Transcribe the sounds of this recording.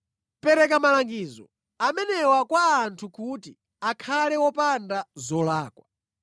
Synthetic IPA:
pɛɾɛk̬amalaŋɡiːzɔ̰ | amɛnɛwakwaːntʰukuti | akʰalɛwɔpandazɔlaːkwa

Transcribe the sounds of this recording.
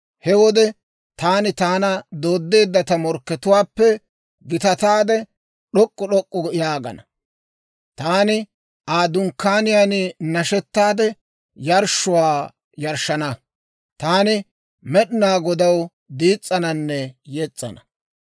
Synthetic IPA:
hɛwɔd̪ɛ | t̪aːnɪt̪aːnɐd̪o̞ːd̪ːe̞ːd̪ːɐt̪ɐmɔɾkːɛt̪ʊwaːpːɛ | ɡɪt̪ɐt̪aːd̪ɛ | ɗɔkʼːɔɗɔkʼːɔjaːɡɐ̰nɐ | t̪aːnɪ | ʔaːd̪ʊŋkːaːnɪjanɪnɐʃɛt̪ːaːd̪ɛ | jɐɾʃʊwaː | jɐɾʃɐnɐ | t̪aːnɪ | mɛɗɪnaːɡɔd̪ɐw | d̪iːt͡sʼːɐnɐnːɛjet͡sʼːɐ̰nɐ

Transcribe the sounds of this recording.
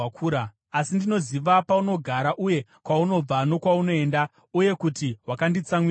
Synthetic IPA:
akʰuːɾaː | sindino̞ziʋapauno̞ɡʱaɾaʔuje̞kwauno̞b͡vano̞kwauno̞e̞ːnda | uje̞kutiɦwakandit͡samwi

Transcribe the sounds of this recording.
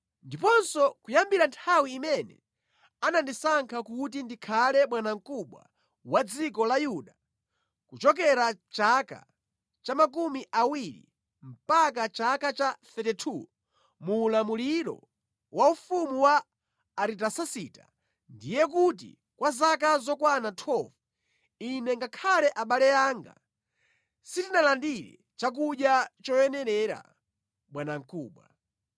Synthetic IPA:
ndipɔnsɔkujambiɾantʰawiːmɛnɛ̰ | anandisaŋkʰakut̬indikʰalɛmwanaŋ̩kuɓwa̰ | wad͡zikɔlajuɗa | kut͡ʃɔk̬ɛɾat͡ʃaka̰ | t͡ʃamakumiʔawiɾḭ | m̩pak̬at͡ʃakat͡ʃaθɛtɛtʰu | muːlamuliɾɔ̰ | wʔaufumuwaː | ɾitasasita̰ | ndijɛk̬ut̬ḭ | kwazak̬azɔkwanatʰɔv | inɛŋɡakʰalɛʔaɓalɛaːŋɡa̰ | sitinalandiɾɛ̰ | t͡ʃak̬uɗjat͡ʃɔjɛnɛɾɛɾa̰ | ɓwanaŋ̩kuːɓwa

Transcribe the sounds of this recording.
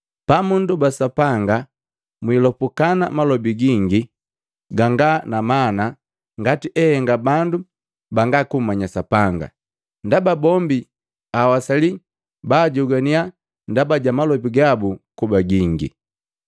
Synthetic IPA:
pamundubasapaŋɡa | mwilɔpukana̰malɔbiɡiŋɡi | ɡaŋɡanamana | ŋɡatiʔɛhɛŋɡabandu | baŋɡakum̩mːaɲasapaŋɡa̰ | ndababɔmbi | awasali | baːɟuɡania | ndabaɟamalɔbiɡabukubaɡiŋɡḭ

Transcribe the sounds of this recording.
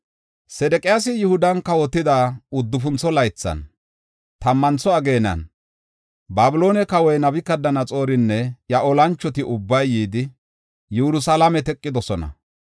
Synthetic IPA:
sɛd̪ɛkʼɪjasɪjʊhʊd̪ɐnkɐwɔt̪ːɪd̪aʊd̪ːʊfʊnt͡sːɔlɐjt͡sːɐ̰n | t̪ɐmːɐnt͡sːɔɐɡeːnɐ̰n | baːbʊlo̞ːnɛkɐwɔjnɐbɪkːɐd̪ɐnɐt͡sʼo̞ːɾɪnːɛjɐʔɔlɐnt͡ʃːɔt̪ɪʔʊbːɐjːiːd̪ɪ | jɛɾʊsɐlɐmɛt̪ɛkʼːɪd̪ɔsɔnɐ̰

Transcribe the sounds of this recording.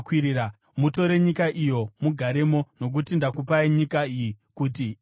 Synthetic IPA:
kwiɾiɾa | muto̞ɾe̞ɲikaʔijo̞muɡʱaɾe̞mo̞no̞k̬utindakupaiɲikaijikuːti

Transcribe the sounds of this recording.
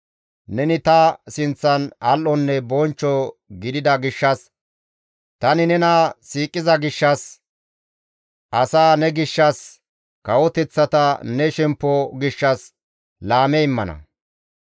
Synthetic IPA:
nɛnɪt̪ɐsɪnt͡sːɐnɐlʔɔnːɛbɔnt͡ʃːɔɡɪd̪ɪd̪ɐɡɪʃːɐs | t̪ɐnɪnɛnɐsiːkʼːɪzɐɡɪʃːɐs | ʔɐsaːnɛɡɪʃːɐs | kɐwɔt̪ɛt͡sːɐt̪ɐnɛʃɛmpːɔɡɪʃːɐs | laːmɛɪmːɐnɐ̰

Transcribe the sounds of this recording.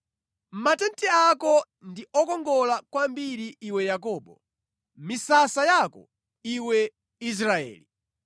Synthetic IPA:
m̩matɛntɛakɔ | ndiʔɔkɔŋɡɔlakwambiɾiːwɛjak̬ɔːɓɔ | misasajakɔ̰ | iwɛ | is̬ɾaɛ̰ːli

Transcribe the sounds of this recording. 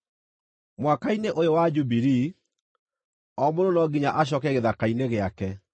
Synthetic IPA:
mwakaineʔojowad͡ʒubiɾi | ɔmononɔɡiɲaʔaɕ̬ɔkɛɣeðakaineɣeakɛ

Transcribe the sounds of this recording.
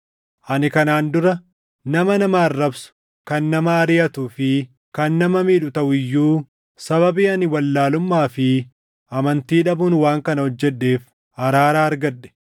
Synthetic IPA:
ʔɐnɪkɐnaːnd̪ʊɾɐ | nɐmɐnɐmaːrːɐbsʊ̥ | kɐnːɐmɐːɾɪjɐt̪uːfɪ | kɐnːɐmɐmiːᶑʊt̪ɐʔʊɪjːuː | sɐbɐbiːɐnɪwɐlːaːlʊmːaːfɪ | ʔɐmɐnt̪iːᶑɐbʊːnwaːŋkɐnɐhɔd͡ʒːɛɗːe̞ːf | hɐɾaːɾaːɐɾɡɐɗːɛ̥

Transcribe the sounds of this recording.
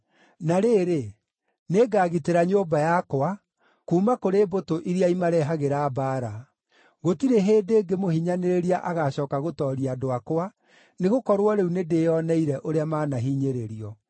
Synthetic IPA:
naɾeːɾe | neɡaːɣiteɾaɲobajakoa | kuːmakoɾebotoʔiɾiaimaɾɛɦaɣeɾaːbaɾa | ɣotiɾeɦeːdeːɡemohiɲaneɾeɾiaʔaɣaɕɔːkaɣotɔɾiadoakoa | neɣokɔɾwɔɾeunedejɔnɛiɾɛʔoɾeamaːnaɦiːɲeɾeɾiɔ

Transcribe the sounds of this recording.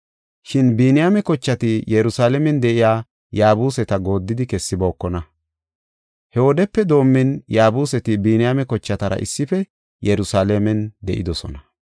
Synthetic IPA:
ʃɪnbiːnɪjamɛkɔt͡ʃːɐt̪ɪjɛɾʊsaːlɛmɛnd̪ɛʔɪjaː | jaːbuːsɛt̪ɐɡo̞ːd̪ːɪd̪ɪkɛsːɪbo̞ːkːɔnɐ | hɛwɔd̪ɛpːɛd̪o̞ːmːɪnjaːbuːsɛt̪ɪbiːnɪjamɛkɔt͡ʃːɐt̪ɐɾɐ̰ʔɪ̰sːɪfɛ | jɛɾʊsaːlɛmɛnd̪ɛ̰ʔɪd̪ɔsɔ̰nɐ

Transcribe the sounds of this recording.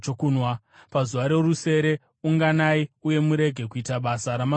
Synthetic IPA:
okunwa | pazuʋaɾe̞ruse̞ɾe̞ | uŋɡanaiuje̞muɾe̞ɡʱe̞k̬uitaɓasaɾama

